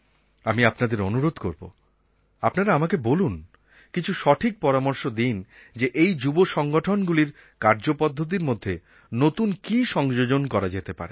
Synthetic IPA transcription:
amiapnad̪eɾonuɾod̪ʱkoɾbo̰ | apnaɾaamakebolun | kit͡ɕʰuʃɔʈʰik̚pɔɾamoɾʃod̪ind͡ʑeʔejd͡ʑuboʃɔŋɡoʈʰonɡuliɾ | kaɾd͡ʑopɔd̪ʱːot̪̬iɾmod̪ʱːe | not̪unkiʃɔŋd͡ʑod͡ʑonkɔɾad͡ʑet̪epa̰ɾe

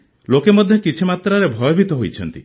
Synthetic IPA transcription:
lokemɔd̪ʱjɔkit͡ʃʰimat̪ɾaɾebʱɔjɔbʱit̪ɔɦojt͡ʃʰɔnt̪i

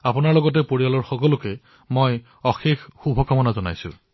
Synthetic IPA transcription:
apunaɹlɔɡɔtɛpoɹialɔɹxɔkɔlʊkɛ | moj | ɔxexxubʱɔkamɔnazɔna̰jsʊ̰̃

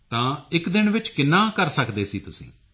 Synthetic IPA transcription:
t̪ãːɪkd̪ɪnʋɪt͡ʃkɪnːãːkəɾsəkd̪eːsiːt̪ʊsḭ̃ː

